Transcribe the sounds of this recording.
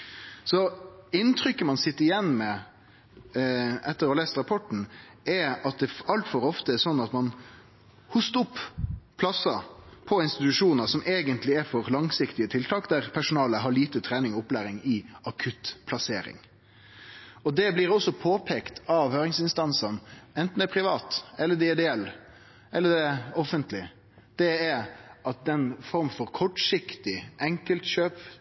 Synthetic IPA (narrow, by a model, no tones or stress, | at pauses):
sɔɪnt̪ʰɾʏkːəmɑnsɪt̪ːəɾɪjɛnːmɛ | ʔɛt̪ːəɾɔleːst̪ɾɑpʰɔʈɳ̩ | ɛɑt̪̚d̪ɛɑlt̪fɔɾɔft̪əæɾsɔnːɑt̪mɑn | hʊst̪ʊpːʰlɑsɑpʰɔɪnst̪ɪt̪ʉʂuːnəsɔmʔeːɡənt̪lɪæɾfɔɾlɑŋsɪkt̪ɪət̪ʰɪlt̪ʰɑːkd̪æɾpʰæʂʊnɑːləɦɑɾɭiːt̪ət̪ʰɾɛːnɪŋɔʊplæːɾɪŋɪɑkʰʉt̪pʰlɑseːɾɪ̰ŋ | ɔd̪ɛbliːɾɔsːɔpʰoːpʰeːkt̪ɑʋhøːɾɪŋsɪnst̪ɑnsɑnɛnt̪n̩d̪ɛpʰɾɪʋɑːt̪ɛlːəd̪ɛɪd̪ɛɛlː | ɛlːəd̪ɛɔfənt̪lɪ | d̪̥ɛɛɾɑt̪̚d̪ɛnfɔɾmfɔɾkʰɔʈʂɪkt̪ɪʔɛŋkəlt̪ɕøːp